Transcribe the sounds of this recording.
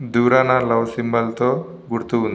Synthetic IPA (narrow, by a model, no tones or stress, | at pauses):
d̪uːɾanalɐʋsimbɐlt̪oː | ɡuɽt̪uund̪i